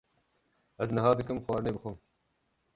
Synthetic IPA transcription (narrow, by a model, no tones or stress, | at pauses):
ɐznɐɦɑːd̪ɨkɨmxwɑːɾneːbɨxom